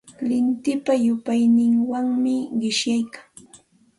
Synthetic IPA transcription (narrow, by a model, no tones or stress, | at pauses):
lɪnt̪ɪpajʊpajnɪŋwaŋmɪɢɪʃjajkaŋ